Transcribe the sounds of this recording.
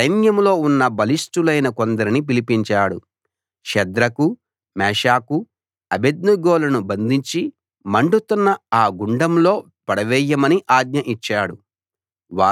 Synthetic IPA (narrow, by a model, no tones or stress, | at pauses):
sɐjnjɐmlo̞ːunːɐbɐlisʈulɐjnɐkond̪ɐɾinip̬ilipiɲt͡ʃaːɽṵ | ʃɛd̪ɾɐku | mɛːʃaːku | ɐbed̪nuɡoːlɐnubɐnd̪ʱiɲt͡ʃi | mɐɳɖut̪unːɐaːɡuɳɖɐmlo̞ː | pɐɽɐʋɛjːɐmɐniʔaːɡ̪ɲɐʔit͡ʃːaːɽṵ | ʋaː